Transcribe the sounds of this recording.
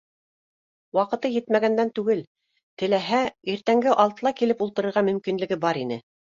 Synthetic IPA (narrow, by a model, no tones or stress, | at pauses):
wɑqɤ̆t̪ɤjɘ̆t̪mæɡænd̪ænt̪ʉɡɘl | t̪ɘ̆læɦæiɾt̪æŋɡɘʔɑlˠt̪ɤlˠɑkilɘpulˠt̪ɤ̆ɾɤ̆ɾʁɑmɵ̆mkinlɘ̆ɡɘbɑɾinɘ